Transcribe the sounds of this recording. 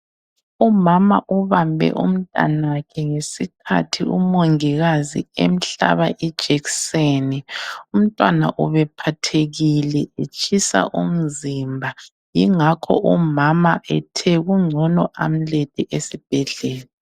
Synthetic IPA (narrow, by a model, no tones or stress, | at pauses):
umama̰ʔuβambʱɛ̰ʔum̩tʼa̰nakʰɛŋesikʰa̰tʰiṵmoŋiɣazḭḛm̩ɬa̰βaʔid̥ʒ̥ʱɛksenium̩tʼwana̰ʔuβɛpʰatʰeɣilɛet͡ʃʼʰisa̰ʔum̩zimbʱa | jiŋakʰɔ̰ʔumamaʔɛtʰɛɣuŋ͡ǀʱɔnɔʔam̩letʼɛʔesib̥ʱɛɮɛːla